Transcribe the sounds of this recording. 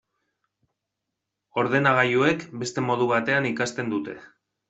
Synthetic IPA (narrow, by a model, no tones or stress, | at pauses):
o̞ɾð̞e̞naɣ̞ajue̞kbe̞st̪e̞mo̞ð̞uβ̞at̪e̞anikast̪e̞nd̪ut̪e̞